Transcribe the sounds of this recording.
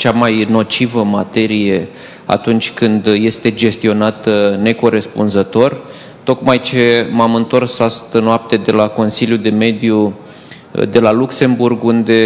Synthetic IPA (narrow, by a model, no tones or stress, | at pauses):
t͡ʃamajno̞t͡ʃivəmat̪e̞ɾije̞ | a̰t̪unt͡ʃʲkɨnd̪je̞st̪e̞d͡ʒe̞st̪io̞nat̪ne̞ko̞ɾe̞spunzət̪o̞r | t̪o̞kmajt͡ʃe̞mamɨnt̪o̞rsast̪ənoap̚t̪e̞d̪e̞lako̞nsiljud̪e̞me̞d̪ju | d̪e̞lalukse̞mburɡund̪e̞